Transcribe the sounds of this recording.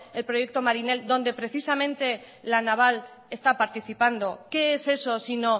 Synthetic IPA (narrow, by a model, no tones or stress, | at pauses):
e̞lpɾoje̞k̚t̪o̞maɾine̞ld̪õ̞nd̪e̞pɾe̞θisamẽ̞nt̪e̞ | lanaβ̞al | e̞st̪apaɾt̪iθipand̪o̞ke̞ese̞so̞sino̞